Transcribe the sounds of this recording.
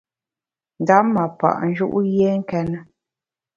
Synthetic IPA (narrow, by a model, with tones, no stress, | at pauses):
n̩˨da˨˦ma˨pa̰˨ʔn̩˦d͡ʒu˦ʔu˦je˦ŋ̩˦kɛ˦nə˦